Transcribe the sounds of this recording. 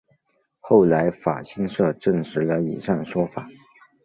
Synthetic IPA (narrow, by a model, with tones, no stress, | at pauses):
xo˥˩ʊla˧˥ɪfa̰˨˩ɕʰi˥ŋʂɤ˥˧ʈ͡ʂɤ˥˩ŋʂɻ̩˧˥lə˧ḭ˨˩ʂa˥˩ŋʂwɔ˥fa˨˩˦